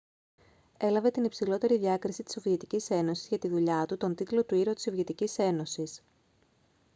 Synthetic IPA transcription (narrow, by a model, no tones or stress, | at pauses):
e̞lɐve̞t̪inipsilo̞t̪e̞ɾiðʝɐkɾisit̪i̥so̞viet̪icise̞no̞sizʝɐt̪iðuʎɐt̪ut̪o̞nt̪it̪lo̞t̪uiɾo̞t̪iso̞vʝet̪icise̞no̞sis